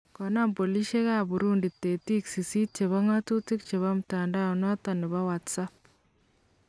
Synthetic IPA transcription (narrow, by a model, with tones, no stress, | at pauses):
kɔ˨na˦mpo˨li˦ʃe˦ɣa˦˨bu˨ɾu˦ndi˨tːe˨ti˦ksi˨si˦t̚t͡ʃe˨βa˦ŋa˦tu˦ti˦kt͡ʃe˨βa˦m̩˨ta˨nda˦˨nɔ˦ta˨nɪ˨βa˦wa˨tsa˦p̚